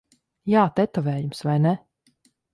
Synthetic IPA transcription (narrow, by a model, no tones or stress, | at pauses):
jaːt̪ɛt̪ɔvɛːjumsvajnɛ